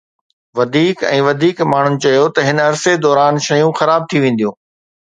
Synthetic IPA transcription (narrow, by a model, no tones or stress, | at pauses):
ʋɐd̪ʱiːkɛ̰̃ːʋɐd̪ʱiːkmaːɳ̤ʊ̃nɪ̆t͡ɕɐjot̪ɐɦɪnɐɾsed̪ɔːɾaːnʃɐjũxɐɾaːb̚t̪ʰiʋẽːnd̪ijũː